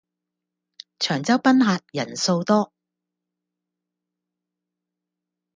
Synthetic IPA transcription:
t͡ʃʰœː˨˩ŋt͡sɐ˥wpɐ˥nɦaː˧t̚jɐ˨˩nso˧wt̪ɔː˥

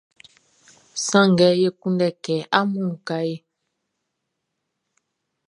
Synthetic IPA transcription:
sã˦˨ŋ˨ɡɛ˨˦je˦ku˦ndɛ˦˨kɛː˨˦ʔa˦mu˦˨ka˦je˦

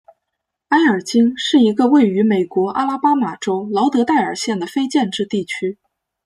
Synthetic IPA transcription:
a˥ɪə˞˨˩t͡ɕi˥ŋʂɻ̩˥˩i˧˥ɡə˧we˥˩ɪy˧˥me˨˩ɪkwɔ˧˥ʔa̰˥la˥pa˥ma˨˩ʈ͡ʂo˥ʊlɑ˧˥ʊt̪ɤ˧˥t̪a˥˩ɪə˞˨˩ɕjɛ˥˩nd̪ə˩fe˥ɪt͡ɕjɛ˥˧nʈ͡ʂɻ̩˥˧t̪i˥˩t͡ɕʰy˥

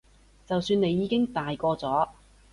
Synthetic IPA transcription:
t͡sɐ˨wsyː˧ne˨˧jːiː˨˧kɪ˥ŋt̪aː˨jkɔː˧t͡sɔː˨˥

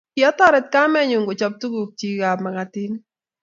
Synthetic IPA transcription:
kɪ˨ɔ˦t̪ɔ˦ɾɛ˨t̪̚ka˦mɛ˦ɲʊ˨ŋɡo˨t͡ʃɔ˨p̚t̪u˦ɡu˨k̚t͡ʃi˨ɡa˨pma˨ka˨t̪i˦n

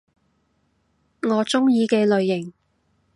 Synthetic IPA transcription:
ŋɔː˨˧t͡sʊ˥ŋjiː˨˧kɛː˧lɵ˨˧ɥjɪ˨˩ŋ

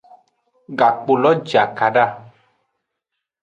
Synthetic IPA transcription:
ɡa˨k͡po˨lɔ˦d͡ʒa˨ka˨ɖa˦˨

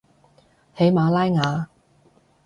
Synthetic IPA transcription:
he˨˥jmaː˨˧˥laː˥jŋaː˨˧

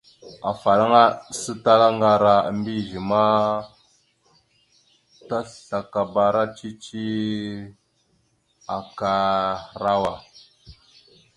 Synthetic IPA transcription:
a˨fa˨la˦ŋa˦sə˦ta˦la˦ŋɡa˨ɾa̰˦˨mbi˦ʒi˨ma˦ | ta˦ɬɬa˨ka˨ba˨ɾa˦t͡ʃi˦t͡ʃi˦ | a˨ka˨ɾa˦wa˨

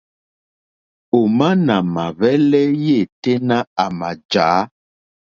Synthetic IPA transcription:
o˨ma˦na˨ma˨βɛ˦lɛ˦je˦˨te˦nã˦a˨ma˨d͡ʒaː˨˦

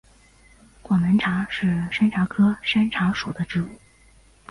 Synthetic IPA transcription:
kwɑ˨˩nə˧˥nʈ͡ʂʰa˧˥ʂɻ̩˥˩ʂa˥nʈ͡ʂʰa˧˥kʰɤ˥ʂa˥nʈ͡ʂʰa˧˥ʂu˨˩d̪ə˦ʈ͡ʂɻ̩˥˩u˥˩

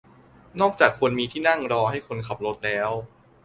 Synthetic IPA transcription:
nɔː˥˩k̚t͡ɕaː˨˩kʰːo˧nmiː˧t̪ʰiː˥˩na˥˩ŋɾɔː˧ɦa˥˩jkʰo˧nkʰa˨˩p̚lo˦˥t̪̚lɛː˦˥w

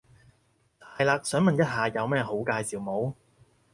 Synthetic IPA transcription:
t̪ʰaː˨˩jlaː˨˧k̚sœː˨˥ŋmɐ˨njɐ˥t̚ɦaː˨jɐ˨˧wmɛː˥˩ho˨˥wkaː˧jsiː˨˩wmo˨˥w

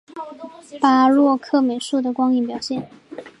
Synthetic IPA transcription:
pa˥lwɔ˥˧kʰɤ˥˩me˨˩ɪʂu˥˩d̪ə˩kwɑ˥ŋi˧˥npjɑ˨˩ʊɕjɛ˥˩n

